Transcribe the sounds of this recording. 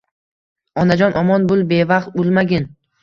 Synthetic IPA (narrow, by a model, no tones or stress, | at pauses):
ɒnad͡ʒɒnʔɒmɒnbʊlˠbe̞vɑqt̪̚ʊlˠmaɡʲɪn